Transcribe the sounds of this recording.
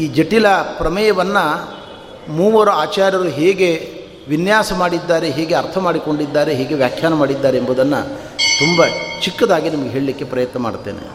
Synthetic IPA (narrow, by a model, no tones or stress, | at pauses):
iːd͡ʒeʈilɐpɾɐmɐjɐʋɐnːɐ | muːʋɐɾɐaːt͡ʃaːɾjɐɾuɦeːɡe̞ | ʋinjaːsɐmaːɽid̪ːaːɾe̞ɦeːɡeɐɾt̪ʰɐmaːɽiko̞ɳɖid̪ːaːɾe̞ɦeːɡe̞ʋjaːkʰjaːnɐmaːɽid̪ːaːɾeːmbud̪ɐnːɐ̰ | t̪umbɐt͡ʃikːɐd̪aːɡinimɐɡeɦe̞ːɭilikːe̞pɾɐjɐt̪nɐma̰ːɽt̪ːeːnḛ